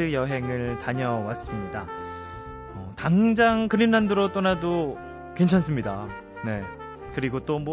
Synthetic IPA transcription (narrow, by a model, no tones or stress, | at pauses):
ɯjʌɦe̞ŋɯɭtaɲʌwas͈ɯmɲida | ʌ̰taŋd͡ʑaŋkɯɾinːanduɾot͈onado | kwe̞nt͡ɕʰans͈ʰɯmɲida̰ | ne̞ | kɯɾiɡot͈omwʌ